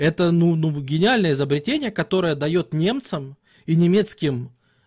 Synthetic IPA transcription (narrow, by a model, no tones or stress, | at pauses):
ɛt̪ənunuɡʲɪnʲɪalʲnəəɪzəbɾʲɪtʲenʲɪjəkɐt̪o̞ɾəjəd̪ɐjo̞t̪nʲe̞mt̪səm | inʲɪmʲe̞t̪skʲɪm